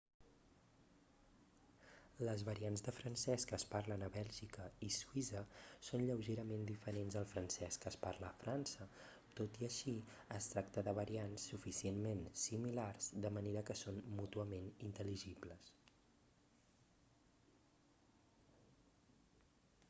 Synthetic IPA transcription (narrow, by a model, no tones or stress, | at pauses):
ləzβəɾianzðəfɾənsɛskəːspaɾlənəβɛlʲʒikəisuizəsonʎəwʒeɾəmend̪ifəɾenzðəlˠfɾənsɛskəːsparləːfɾansə | t̪ot̪iəʃi | əst̪ɾak̚t̪əðəβəɾiansːufisienmensimilarz̥d̪əməneɾəkəsonmut̪uəmenint̪əliʒipləs